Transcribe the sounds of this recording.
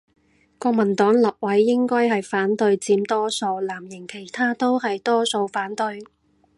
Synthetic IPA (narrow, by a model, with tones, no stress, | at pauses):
kɔː˧k̚mɐ˨˩nt̪ɔː˨˥ŋlɐ˨p̚wɐ˨˥jːɪ˥ŋkɔː˥jɦɐ˨jfaː˨˥nt̪ɵ˧ɥt͡siː˨˧mt̪ɔː˥so˧wlaː˨˩mjɪ˨˩ŋkʰe˨˩jt̪ʰaː˥t̪o˥whɐ˨jt̪ɔː˥so˧wfaː˨˥nt̪ɵ˧ɥ